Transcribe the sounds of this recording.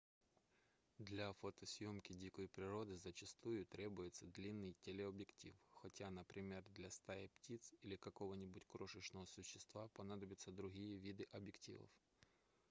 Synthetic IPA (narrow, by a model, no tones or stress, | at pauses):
d̪lʲɐfot̪əsʲjomkʲɪdʲikəjpɾʲɪɾo̞d̪ɨzət͡ɕɪst̪ujʊt̪ɾʲebʊjɪt̪səd̪lʲinːɨjtʲelʲɪɐbʲjɪktʲḭfxɐtʲanəpɾʲɪmʲerd̪lʲɐst̪ajɐptʲit̪silʲɪkɐko̞vənʲɪbʊtʲkɾoʂɨʂnəvəsʊɕːɪst̪vapɐnad̪əbʲɪt̪səd̪ɾʊɣʲijəvʲid̪ɨʔɐbjɪktʲḭvə̰f